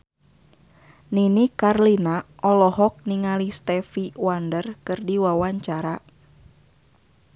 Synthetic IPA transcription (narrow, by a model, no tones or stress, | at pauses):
ninikarlinaʔɔlɔɦɔk̚niŋalist̪ɛfiwandərkɨrdiwawaɲt͡ʃaɾa